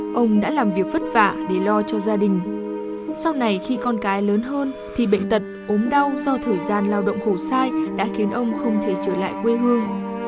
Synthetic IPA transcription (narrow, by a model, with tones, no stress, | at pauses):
ʔə˧wŋ͡mɗa̰ː˧˥laː˨˩mvi˨˩ək̚və˦˥t̚vaː˧˩ɗe˧˩lɔ˧t͡ɕɔ˧zaː˧ɗï˨˩ŋ̟ | sa˧wna˨˩jxi˧kɔ˧nkaː˨˦jləː˨˦nɦəː˧n | t̪ʰi˨˩ɓḛ˧˨ŋ̟t̪ə˨˩t̚ʔo˨˦mɗa˧wzɔ˧t̪ʰəː˨˩jzaː˧nlaː˧wɗə̰˧˨wŋ͡mxo˧˩saː˧jɗa̰ː˧˥xi˨˦ənʔə˧wŋ͡mxə˧wŋ͡mt̪ʰe˧˩t͡ɕəː˧˩la̰ː˧˨jkwe˧ɦɨ˧əŋ